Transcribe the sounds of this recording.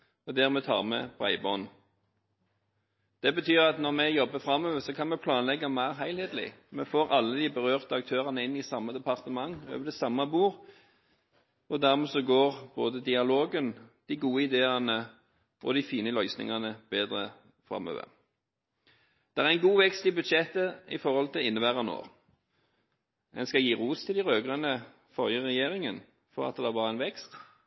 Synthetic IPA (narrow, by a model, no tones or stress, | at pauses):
ɔd̪æːʁmɛt̪ʰɑ̰ːʁmɛ̰b̥ʁæ̰ɪbɔn | d̪̥ɛbət̪ʰyːʁɑt̪nɔʁmɛjɔbːəfɾɑmøːʋəsɔkʰɑnmɛpʰlɑːnlɛɡːɑmæɪʁɦæɪlheːt̪lɪ̰mɛfoːɾɑlːəd̪ibəʁøːʁt̪əɑk̚t̪ʰøːʁɑnəɪnːɪsɑmːəd̪ɛpʰɑʁt̪əmɑŋːø̰ːʋəd̪ɛsɑmːɑbuːʁ | ɔd̪æʁmɛsɔɡoːʁb̥o̰ːd̪əd̪ɪɑloːɡənd̪̥ɪɡuːəɪd̪eːɑnə | ʔɔ̰d̪ɪfiːnəlœʏsnɪ̰ŋɑnəb̥eːd̪ɾə | fʁɑ̰mø̰ːʋə̰ʁ | d̪̥ɛæɾʁɛnɡuːʋɛkst̪ɪbʉd̪ʃɛt̪ːəɪ̰fɔʁhɔlt̪ʰɪlɪnːəbæːʁɑno̰ː | ɛ̰nskɑjiːʁuːst̪ʰɪlɪʁøːɡʁənə | fɔʁjəʁɛjeːʁɪŋən | fɔʁɑ̰t̪d̪d̪ɛæbɑːʁəæɛnʋɛkst̪